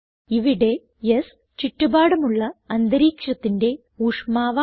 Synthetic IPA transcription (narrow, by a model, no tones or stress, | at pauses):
iʋiɽe̞ | jes | t͡ɕiʈːubaːɽɐmuɭːɐɐnd̪ɐɾiːkʂɐt̪ːinde̞ | uːʂmaːʋa